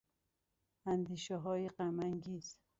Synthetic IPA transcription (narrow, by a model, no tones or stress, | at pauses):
ænd̪iːʃæɦɒːjeɢæmæŋɡiːz̥